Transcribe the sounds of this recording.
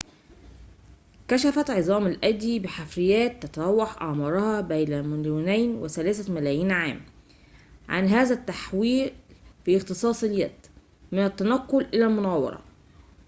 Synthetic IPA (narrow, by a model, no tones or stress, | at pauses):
kæʃæfæt̪ʕezˤɑːmalʔæd̪ːibɪħafɾɪjæːt̪ːæt̪ɑɾˤɑwːɑħʔɑ̰ʕmɑɾˤɑhɑbæjnæmɪljunæjnwesælæːsæmælæːjiːnʕaːm | ʕa̰nɦæːzæt̪ːaħwiːlfiːɪxt̪ɨsˤɑːsˤeljæ̰d̪̥ | mɪnæt̪ːænɑqːolʔɪlælmʊnæːwɑ̰ɾˤɑ̰